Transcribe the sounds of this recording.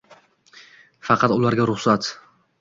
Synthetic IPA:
fɑqʰɑt̪ʊlaɾɡʲaɾʊχsat̪

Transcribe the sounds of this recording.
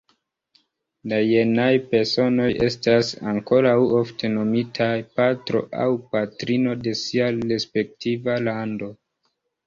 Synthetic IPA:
dajenajpe̞ɾso̞no̞je̞stasaŋko̞ɾawoftʰe̞no̞mitʰajpatɾo̞̰ʔa̰wpatɾino̞de̞siaɾe̞spe̞k̚tivalando̞

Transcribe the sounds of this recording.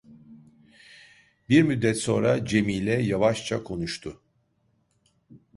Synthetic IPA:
biɾmyd̪ːɛt̪so̞nɾad͡ʒe̞miːlʲɛjavaʃt͡ʃʰakʰo̞nuʃt̪ʰʊ

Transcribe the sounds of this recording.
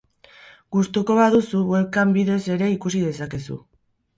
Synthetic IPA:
ɡust̪uko̞βaðusuβwe̞lkambiðe̞se̞ɾe̞ikusið̞e̞sake̞sṵ

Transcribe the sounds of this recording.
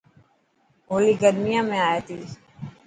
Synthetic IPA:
ɦoːliːɡəɾmijãːmẽaːjeːt̪ʰiː

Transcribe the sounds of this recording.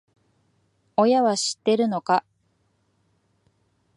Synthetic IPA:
o̞jaβaɕi̥t̪ːe̞ɾɯ̟no̞ka

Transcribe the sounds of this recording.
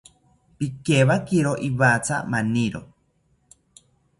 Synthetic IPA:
pikeβakiɾoʔiβat͡sʰa̰maniɾo̰

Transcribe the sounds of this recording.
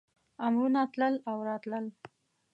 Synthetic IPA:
amɾunat̪ləlawɾɑt̪ləl

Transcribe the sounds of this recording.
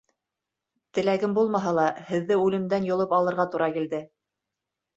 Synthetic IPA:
t̪ɘ̆læɡɘmbulˠmɑɦɑlˠɑhɘ̆ðːɘʉlɘ̆md̪ænjŏlˠɤpɑlˠɤ̆ɾʁɑt̪uɾɑkild̪ɘ

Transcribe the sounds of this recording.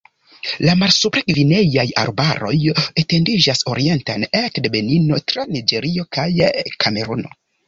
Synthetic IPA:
lamalsupɾeɡvine̞jaja̰ɾbaɾo̞̰jete̞ndid͡ʒaso̞ɾie̞ntanekdebe̞nino̞tɾanid͡ʒe̞ɾio̞kajkame̞ɾuno̞̰

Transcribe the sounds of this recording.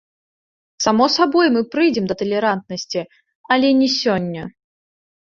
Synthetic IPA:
samɔsabɔjmɨpɾɨjd͡zʲɛmd̪ɐt̪ɐlʲɛɾant̪̚nɐsʲt͡sʲi | ɐlʲɛnʲɛsʲɔnʲːɐ

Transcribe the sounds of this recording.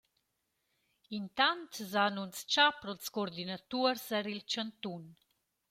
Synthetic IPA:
int̪ant̪zanunst͡ʃapɾɔlskoɾd̪inat̪uəɾsɛɾilt͡ʃant̪un

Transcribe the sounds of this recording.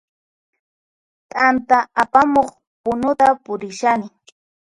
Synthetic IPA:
t̪ʼant̪aapamoχ | pʊnʊt̪apʊɾɪʃanɪ

